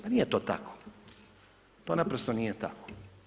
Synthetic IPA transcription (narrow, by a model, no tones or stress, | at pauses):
paniːjet̪oːt̪a̰kʰo̥ | t̪oːnapɾost̪onijet̪a̰ko̥